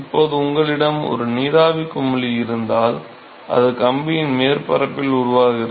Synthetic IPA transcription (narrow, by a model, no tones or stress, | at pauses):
ɪpːoːðɯʊŋɡɐɭɪɽɐmɔ̰ɾɯniːðaːʋɪkːɯmːʊɭiɪɾɯnd̪aːl | ʔɐ̰ðɯkɐmbɪjɪnmeːɾpɐɾɐpːɪlʊɾʊʋaːɣɪrɐ